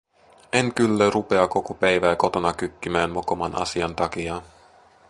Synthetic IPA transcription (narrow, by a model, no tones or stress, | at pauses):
e̞ŋkylːærupe̞ɑko̞kopæjʋæːko̞t̪o̞nɑkykːimæːnmokomɑnʔɑ̰siɑnt̪ɑkiɑ